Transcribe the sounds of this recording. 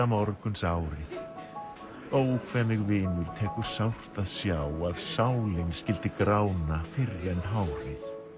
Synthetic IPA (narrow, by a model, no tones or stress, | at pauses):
amaɔɾkʏnsaːwɾɪθ | oːwkʰvɛnːɪɣvɪːnʏɾ̥t̪ʰɛːkʏɾ̥sawr̥t̪aðsjaːwaðsaːwlɪnscɪlt̪ɪkɾaːwnafɪrɛnɦawɾɪθ